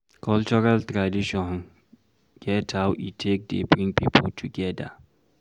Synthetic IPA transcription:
kʰɔlt͡ʃɔɹaltɹadiʃɔ̃n | ɡ̥ɛtʰhawʔitʰek̚dḛbɾĩŋpipʰo̰ltʰuɡɛda

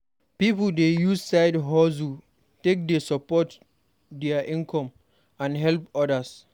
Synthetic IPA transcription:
pipəldejussaɪdɦɔzu | tek̚desɔpɔt | dɛaʔĩnkʰɔ̃m | ãnɦɛlpɔdəs

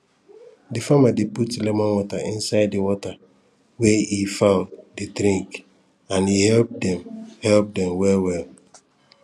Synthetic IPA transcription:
difamadeputilɛmɔ̃nwɔtaʔĩnsaɪddiwɔta | wehifãʊ̃ndidɾĩŋk | ãnihɛlp̚dɛ̃mhɛlp̚dɛ̃mwɛlwɛl

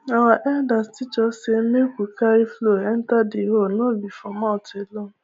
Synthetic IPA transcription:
awaʔɛdastit͡ʃɔsemekʷukaifloɛn̩tadɪɦonobifɔmɔtelo

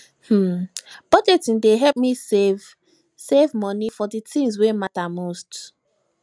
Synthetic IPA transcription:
h̩b̥ɔd͡ʒetĩndeɦɛlp̚misev | sevmɔ̃nifɔditʰĩŋs̬wematamost

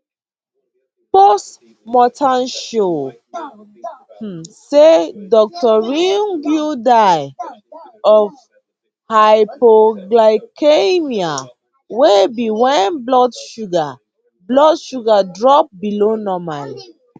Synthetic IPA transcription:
pɔst | mɔtʰãnʃo | sedɔk̚tɔɹĩŋɡjudaj | ɔv | hajpoɡlaɪkʰemia | webiwɛ̃nblɔdʃuɡa | blɔdʃuɡadɹɔp̚bilonɔmali

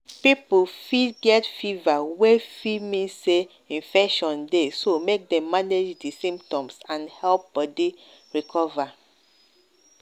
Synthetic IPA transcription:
pipufiɡɛtfivawefimĩnse | ĩnfɛkʃɔ̃ndesomek̚dɛ̃mːaned͡ʒdisĩmptɔ̃msãnhɛlp̚b̥ɔdi | ɹikʰɔva

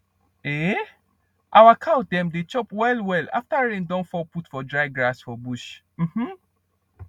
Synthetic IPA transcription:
e | ʔawakʰawt̚dɛ̃mdet͡ʃɔpwɛlwɛla̰ftaɹẽndɔ̃nfɔputfɔdɹaɪɡɹasfɔbuʃ | m̩hm̩

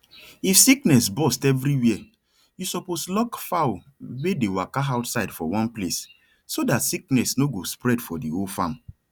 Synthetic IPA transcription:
ifsiknɛsbɔstɛvɾiwiɛ | jusɔposlɔkfaw | wedewakaaʊtsaɪdfɔ̰wɔ̃nples | sodatsik̚nɛsnoɡospɹɛdfɔdiolfãm

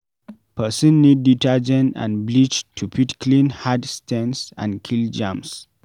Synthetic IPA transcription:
pʰəsə̃nːidːitɛd͡ʒɛ̃nã̰nblit͡ʃtʰupʰitkʰlĩnhadstʰɛ̃nsã̰nkʰild͡ʒãms

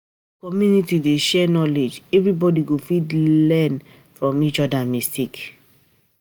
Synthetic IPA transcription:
kɔmjunitideʃɛnɔled͡ʒɛvɹibɔdiɡofidlɛ̃n | fɹɔ̃mit͡ʃɔdamistik

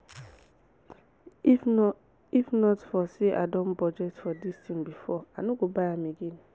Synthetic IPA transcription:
ifnɔtfɔseʔa̰dɔ̃nbɔd͡ʒɛtfɔdistĩŋbifɔanoɡobaɪãmeɡẽn

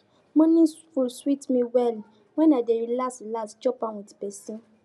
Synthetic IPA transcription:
mɔ̃nĩfulswitmĩwɛl | w̃ɛ̃nadeɾilastilasd͡ʒɔpaw̃ɔ̃ti̥bɛsĩ

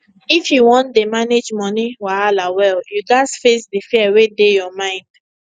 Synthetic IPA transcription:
ifjuwɔ̃ntdemaned͡ʒmɔniwaalawɛljud͡ʒasfesdifiɛwedejɔmãɪ̃nd̥

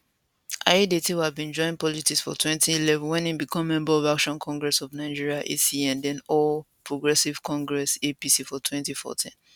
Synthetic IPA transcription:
ʔa̰edetiwavbĩnd͡ʒɔ̃ɪ̃npɔlitiksfɔ̰tʰwɛ̃ntiːlɛvɔ̃nwɛ̃nĩbikʰɔ̃mːɛ̃mbaɔvakʃɔ̃nkʰɔ̃ŋɡɹɛsɔvnaɪd͡ʒiɹiaʔesiãndɛ̃nɔl | pʰɹoɡɹɛsiv̥kɔ̃ŋɡɹɛsepisifɔtʰwɛ̃ntifɔ̰tʰĩn

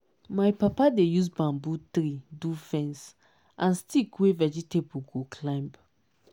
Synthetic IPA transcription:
majpapadejus̬bãmbut̪ɾidufɛ̃ns | ʔãnstikwevɛd͡ʒitebuɡokʰlãmb

